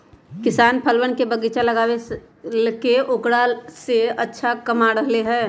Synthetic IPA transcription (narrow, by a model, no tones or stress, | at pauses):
kɪsaːnpʰəlwənkebəɡit͡ʃalɐɡaːe | keʊkɽaseɐtːʃʰakɐmaɾəɦleɦɛː